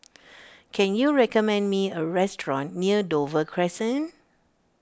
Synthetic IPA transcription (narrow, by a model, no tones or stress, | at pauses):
kʰɛ̃njuɹɛkɔmɛ̃ndmiəɹɛstʰɹɔ̃nːiədovəkʰɹɛsə̃n